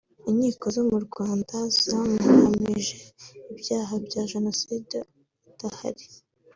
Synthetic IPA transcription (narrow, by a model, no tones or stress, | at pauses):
iɲiːko̞zomuɾɡwaːndaz̥amuhamiʒe̞ibjaːɦabɟaʒe̞no̞sid | taha̰ɾi